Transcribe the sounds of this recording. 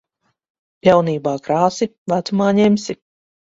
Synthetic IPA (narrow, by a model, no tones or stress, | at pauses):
pʲjawniːbaːkɾaːsivæt̪sumaːɲɛmsi